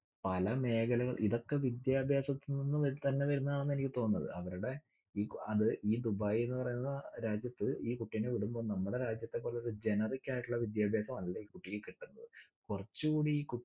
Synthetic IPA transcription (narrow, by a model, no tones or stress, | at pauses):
pɐlɐme̞ːkɐlɐɣɐɭʔiðo̞kːe̞ʋid̪jaːbʱjaːsɐt̪ːininːɨɐt̪ɐnːe̞ʋɐɾunːɐðaːɳenːe̞nikʲːɨt̪o̞ːnːɐðɨ̰ʔɐʋɐɾuɽe̞ | iːɐðɨʔiːd̪ubaːjenːɨpɐrɐjunːɐðɾaːd͡ʑjɐt̪ːɨiːkuʈːijneʋiɽumbo̞ːnɐmːuɽe̞ɾaːd͡ʑjɐt̪ːepːo̞ːleðɨd͡ʑe̞nɐrikʲːaːjiʈːuɭːɐʋid̪jaːbʱjaːsɐmɐlːɐiːkuʈːijekiʈːunːɐðɨkurɐt͡ɕːuɣuːɽiiːku